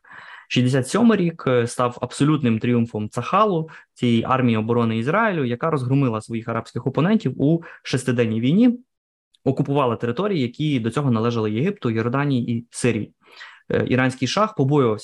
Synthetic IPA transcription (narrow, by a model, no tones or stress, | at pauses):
ʃʲizʲd̪esʲat̪sʲɔmɪɾʲikst̪ɑwɐbsɔlʲut̪nɪmt̪ɾʲijumfɔmt̪sɐxɑlˠʊt͡sʲijiʔɑ̰rmʲijiɔbɔɾɔnɪizɾɑjilʲʊjɐkɑɾɔzɦɾʊmɪlˠɐsʋɔjixɐɾɑpsʲkɪxɔpɔnɛnʲtʲiwuʃɛst̪ɪd̪ɛnʲːijʋʲijnʲi | ɔkʊpʊʋɑlˠɪt̪e̞ɾɪt̪ɔɾʲijijɐkʲid̪ɔt͡sʲɔɦɔnɐlˠɛʒɐlˠɪjeɦɪp̚t̪ʊjɔrd̪ɑnʲijiʔisɪɾʲijḭ | ḭɾɑnʲsʲkɪjʃɑxpɔbɔjʊʋɐwsʲ